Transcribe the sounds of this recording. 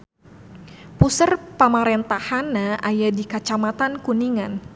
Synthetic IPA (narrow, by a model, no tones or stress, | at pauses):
pusərpamaɾɛnt̪ahanaʔajadikat͡ʃamat̪ankuniŋan